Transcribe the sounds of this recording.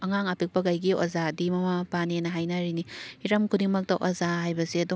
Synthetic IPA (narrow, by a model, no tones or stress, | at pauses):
ɐŋaŋapik̚pɐɡajɡio̰zadimɐmapanenɐɦajnaɾinihiɾɐmkʰudiŋmɐk̚tɐʔo̰zaɦajbɐsiɐdu